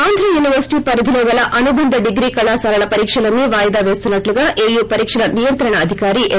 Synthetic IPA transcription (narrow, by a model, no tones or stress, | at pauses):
aːnd̪ɾɐjuːniʋɐɾsi̥ʈiːpɐɾɐd̪ʱiloʋɐlɐʔɐnubɐnd̪ɐɖiɡɾiːkɐɭaːsaːɾɐɭɐpɐɾiːkʂɐlɐnːiʋaːjɐd̪aːʋe̞ːst̪unːɐʈluɡaːʔeːjuːpɐɾiːkʂɐlɐnijɐnt̪ɾɐɳɐːd̪ʱikaːɾiʔe